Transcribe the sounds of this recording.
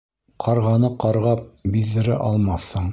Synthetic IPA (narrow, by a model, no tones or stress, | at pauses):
qʰɑɾʁɑnɤqɑɾʁɑp̚biðːɘ̆ɾɘ̰ʔɑlˠmɑθːɤɴ